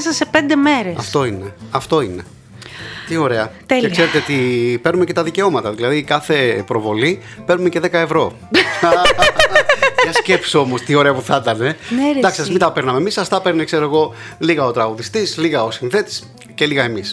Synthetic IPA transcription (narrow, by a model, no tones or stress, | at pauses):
sɐsepend̪emeɾeɐft̪o̞ineɐft̪o̞ine̞ | t̪io̞ɾe̞ɐt̪elekse̞ɾet̪eot̪ipeɾnumece̞t̪ɐðice̞o̞mɐt̪ɐðilɐðikɐθe̞pɾo̞vo̞li | pe̞ɾnume̞ceðe̞kɐe̞vɾo̞ | jɐscepsio̞mo̞st̪io̞ɾe̞ɐpuθɐt̪ɐne̞nɾd̪ɐksisɐsmind̪ɐpeɾnɐmemisɐst̪ɐpe̞ɾnekse̞ɾoeɣo̞liɣɐo̞t̪ɾɐɣuðist̪isliɣɐo̞sinθe̞t̪i̥s | ce̞liɣɐemis